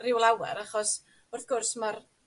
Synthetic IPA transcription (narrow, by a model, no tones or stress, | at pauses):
rɪwlˠawɛ̰ɾaχɔs | ʊrθɡ̥ʊrsmar